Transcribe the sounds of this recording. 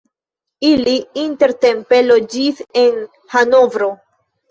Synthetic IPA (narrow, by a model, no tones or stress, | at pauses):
iliinte̞ɾte̞mpe̞lod͡ʒise̞n | hanovɾo̞